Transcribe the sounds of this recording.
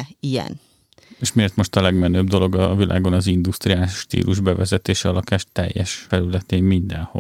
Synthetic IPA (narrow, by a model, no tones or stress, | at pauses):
ijɛ̰n | eːʃmieːrt̪mo̞ʃt̪ɒlɛɡmɛnøːbd̪o̞lo̞ɡɒvilʔa̰ːɡo̞nɒzind̪ust̪riaːlʃt̪ḭːlʔuʒbɛvɛzɛt̪eːʃɛɒlɒkaːʃt̪ɛ̰jːɛʃfɛɾylɛt̪eːmmind̪ɛnho̰